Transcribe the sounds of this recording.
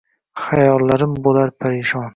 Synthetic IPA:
χajɒlˠːaɾɪmbolaɾpʰaɾɪʃɒn

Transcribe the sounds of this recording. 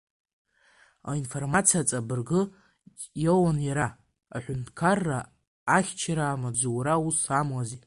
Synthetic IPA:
a̰info̞rmat͡sʰiat͡sʼabɨrɡɨ | jowanjaɾa | aħʷᶣʊntʰkʰarːa | aχʲt͡ʃʰaɾaːmad͡zʷuwɾausamwazi

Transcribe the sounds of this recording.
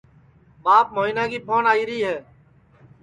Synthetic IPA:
ɓaːp̚moːiːnãːkiːpʰoːnaːiːɾəiːɦɛː

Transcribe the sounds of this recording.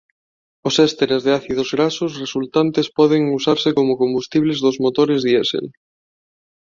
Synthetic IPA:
osɛst̪eɾezðeaθið̞ozɣɾasosresult̪ant̪espɔð̞eŋusaɾsekomokõmbust̪iβlezðozmot̪oɾezðiesḛl

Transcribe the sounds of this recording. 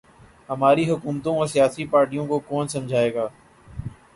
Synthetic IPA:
ɦəmaːɾiːɦʊkuːmt̪õːɔɾsɪjaːsiːpaːɾʈijõːkoːkoːnsəmd͡ʒʱaːeːɡaː

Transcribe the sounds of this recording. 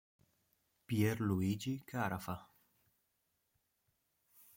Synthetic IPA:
pjeɾluid͡ʒikʰaɾafa

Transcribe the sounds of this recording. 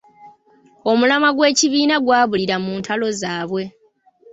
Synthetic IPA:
o̞mulamaɡwe̞ːciβiːnaɡwaːβuliɾamuːntʰalo̞zaːβwe̞

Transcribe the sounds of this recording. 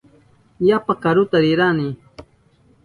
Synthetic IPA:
japakaɾʊt̪aɾɪɾani

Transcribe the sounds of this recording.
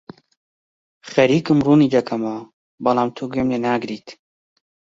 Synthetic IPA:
xɐɾiːkɨmruːniːd̪ɐkʰɐma | bɐlaːmt̪ʰoɡemneːnaːɡɾiːt̪

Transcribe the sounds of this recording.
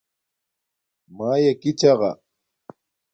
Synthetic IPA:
maːjakɪt͡ʃɑɢɑ̰

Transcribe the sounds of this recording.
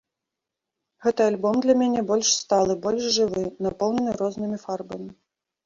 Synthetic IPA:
ɣɛt̪ɨalʲbɔmd̪lʲɐmʲanʲɛbɔlʲʂst̪alˠɨbɔlʲʂʐɨvɨnapɔwnʲɛnɨɾɔznɨmʲifarbɐmʲi

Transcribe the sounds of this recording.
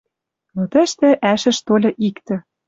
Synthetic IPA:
not̪ə̆ʃt̪ɘ̆ʔæʃɘ̆ʃt̪olʲɤ̆ʔikt̪ɘ̆

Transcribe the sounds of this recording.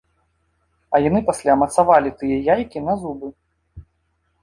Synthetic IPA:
ɐjanɨpasʲlʲamɐt̪savalʲit̪ɨjɐjajkʲinɐzubɨ

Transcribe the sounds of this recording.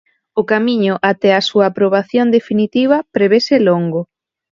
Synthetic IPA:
ʊkamiɲʊʔat̪ɛasuɐːpɾoβ̞aθjond̪efinit̪iβ̞ɐpɾeβeseloŋɡʊ

